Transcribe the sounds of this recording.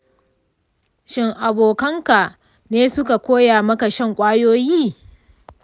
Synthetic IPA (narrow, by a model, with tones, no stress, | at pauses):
ʃɪ˦ŋʔa˨boː˨kɐ˦ŋka˨ | neː˦sʊ˦ka˨kʷoː˦jaː˨mɐ˦ka˨ʃɐ˦˨ŋkʷʼaː˦joː˦jiː˦˨